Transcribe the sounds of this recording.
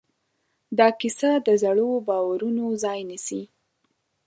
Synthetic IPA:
d̪ɑkisad̪əzaɽobɑwaɾunozɑjnisi

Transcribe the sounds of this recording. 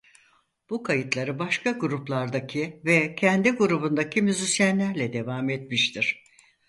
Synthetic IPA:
b̥ukʰajɯt̪lˠaɾɯbaʃkʰaɡuɾuplˠaɾd̪acʰivɛcʰɛnd̪iɡuɾubund̪acʰimyzisjænlʲæɾlʲɛd̪e̞vaːmet̪̚miʃt̪ʰiɾ̥

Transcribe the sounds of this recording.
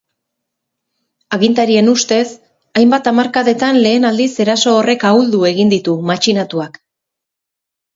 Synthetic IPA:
aɣint̪aɾie̞nust̪e̞s | ajmbat̪amaɾkaðe̞t̪anle̞ːnald̪ise̞ɾaso̞ːre̞kauld̪ue̞ɣind̪it̪umat͡ʃinat̪uak

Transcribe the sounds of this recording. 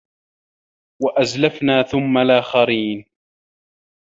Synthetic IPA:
waʔazlafnaːθʊmːalʔaːxaɾiːn

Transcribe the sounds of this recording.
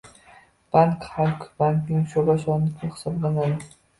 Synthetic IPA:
b̥aŋkhalkbaŋknɪŋʃobaʃɒnlɪkʲɪχɪ̥sɒblˠanad̪ɪ

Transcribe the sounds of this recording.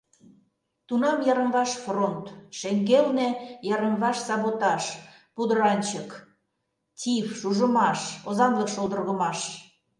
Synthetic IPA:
t̪unɑmjɑɾəmβɑʃfront̪ʃeŋɡelnĕjɑɾəmβɑʃsɑβot̪ɑʃ | pud̪əɾɑnʲt͡ɕək | tʲifʃuʒə̆mɑʃozɑnləkʃolˠd̪ə̆rɣə̆mɑʃ

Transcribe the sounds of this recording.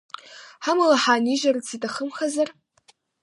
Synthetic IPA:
ħamɨlaħaːniʒɐrɨt͡sʰitʰʼaχəmχazar

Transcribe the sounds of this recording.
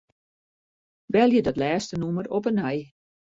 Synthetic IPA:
ʋɛlˠjədɔtlɛːstənumərɔpənɛj

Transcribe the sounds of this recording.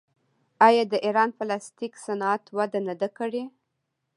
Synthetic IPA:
ɑjɑd̪əʔiɾɑnfalɑst̪iksanɑat̪wad̪anad̪akəɽe

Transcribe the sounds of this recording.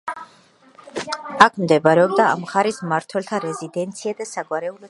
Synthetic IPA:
akʰmd̪ɛbaɾɛɔbd̪aa̰mχaɾismaɾt̪ʰwɛlt̪ʰaɾɛzid̪ɛnt̪sʰiad̪asaɡwaɾɛulɔ

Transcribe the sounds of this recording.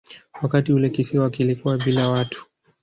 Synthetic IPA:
wakatiulɛkisiawakilikuwaɓilawatu̥

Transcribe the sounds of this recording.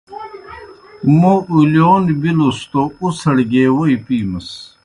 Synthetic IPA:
moʔuljoːnbilost̪ousɐɽɡeːwoipiːmɐs

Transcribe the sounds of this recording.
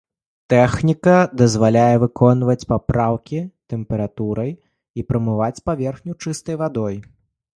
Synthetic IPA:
t̪ɛxnʲikɐd̪ɐzvalʲajɛvɨkɔnvɐt͡sʲpapɾawkʲit̪ɛmpɛɾat̪uɾɐj | ipɾɐmɨvat͡sʲpavʲɛrxnʲut͡ʂɨst̪ɐjvad̪ɔj

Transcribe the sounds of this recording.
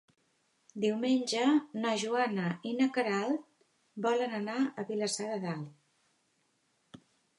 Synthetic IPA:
d̪iwmenʲd͡ʒənəʒuanəinəkəɾalˠ | bɔlənənaəβiləsaðəðalˠ

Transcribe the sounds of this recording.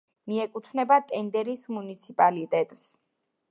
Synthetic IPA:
miɛkʼut̪ʰnɛbat̪ʼɛnd̪ɛɾismunit̪sʰipʼalit̪ʼɛt̪ʼs

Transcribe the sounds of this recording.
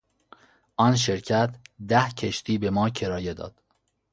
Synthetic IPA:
ʔɒːnʃ̬eɾcʰæt̪ʰd̪æhcʰeʃt̪ʰiːbe̞mɒːcʰe̞ɾɒːjed̪ɒ̰ːd̪̥

